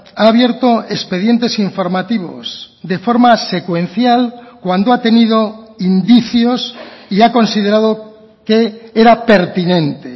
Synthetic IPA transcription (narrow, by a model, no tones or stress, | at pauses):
aːβje̞ɾt̪oespe̞ð̞je̞nt̪e̞siɱfo̞ɾmat̪iβ̞o̞̰s | d̪e̞fo̞ɾmase̞kwe̞nθjalkwand̪oat̪e̞nið̞oind̪iθjo̞siako̞nsið̞e̞ɾaðo | keeɾape̞ɾt̪inẽ̞nt̪e